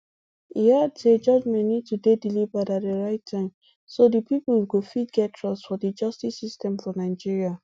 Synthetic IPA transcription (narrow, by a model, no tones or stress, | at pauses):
iaded͡ʒɔd͡ʒmɛ̃nnid̚tudedilivatat̚dəɹaɪtʰːãɪ̃m | sodəpipəlɡofit̚ɡɛttʰɹɔsfɔdid͡ʒʌstisistɛ̃mfɔnaɪd͡ʒiɹia